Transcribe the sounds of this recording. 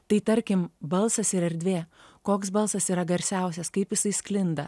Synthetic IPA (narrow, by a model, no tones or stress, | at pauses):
t̪ɐɪt̪ɐɾʲkʲɪmbɐlˠsɐsɪɾɛɾʲd̪ʲʋʲeːkoːksbɐlˠsɐsiːɾɐɡɐɾʲsʲæˑʊsʲɛskɐɪpjɪsɐɪsklʲɪnd̪ɐ